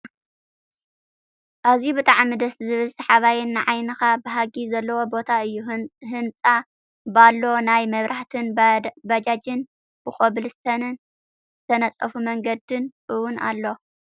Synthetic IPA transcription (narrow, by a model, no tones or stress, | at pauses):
ʔaβzjibɨt̪ʼaʕmid̪ɐszɨβɨlsɐħaβajɪnːɨʕajnɨxabɨɦaɡizɐlːɐwo̞bo̞t̪ʰaɨjːuɦɨnt͡sʼa | balːo̞najmɐβɾʔaħt̪ʰɨnbad͡ʒad͡ʒɪn | b̥ɨxʼoβlɨst̪ʰɐnɨn | zɨt̪ʰɐnɐt͡sʼɐ̰fumɐŋɡɐd̪ɨnʔɨwʊna̰lːo̞